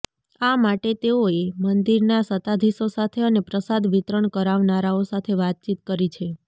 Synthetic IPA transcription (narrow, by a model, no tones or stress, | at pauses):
amaʈet̪eoemənd̪iɾnasət̪ad̪ʱisosat̪ʰeənepɾəsad̪ʋit̪ɾəɳkəɾaʋnaɾaosat̪ʰeʋat̪̚t͡ʃit̪kəɾit͡ʃʰe